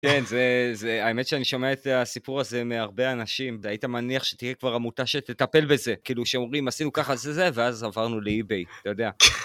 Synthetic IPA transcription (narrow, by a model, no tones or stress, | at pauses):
kenzezeae̞me̞tʃeaniʃo̞meaet̪asipuʁaze̞meaʁbe̞anaʃimveaitamaniaχʃetije̞kvaʁamut̪aʃet̪etape̞lbe̞ze̞kiːluʃeomʁimasinukaχazezeveazavaʁnuleibe̞jt̪ajo̞d̪e̞a